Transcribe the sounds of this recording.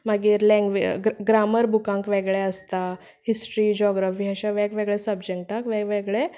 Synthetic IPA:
maɡiːɾlɛ̃ŋɡʋiɡɡɾaməɾbʱukãŋkʋeɡɭɛəst̪a | hisʈɾiːd͡ʑɔɡɾafiːəɕaʋɛkʋeɡɭɛsəbd͡ʑɛŋ̚ʈakʋɛʋeɡɭɛ

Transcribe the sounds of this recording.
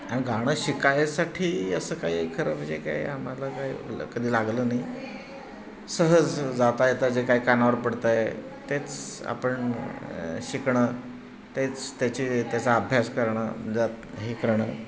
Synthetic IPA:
añiɡʱaɽ̃əɕikajasaʈʰiːəsəːkaɦikʰəɾəʋəd͡ʑeka̰ḛam̤alakaɦḭːkəd̪ʱiːlaɡləːnai | səɦəd͡zd͡zat̪ajet̪əɾd͡zekaɦiːkanaʋəɾpəɽt̪aje | t̪et͡sa̰pəɳ | ɕikɳəː | t̪et͡st̪jat͡ɕit̪jat͡saːbʱjaskəɾɳə̰məd͡zat̪ | ɦikəɾɳəː

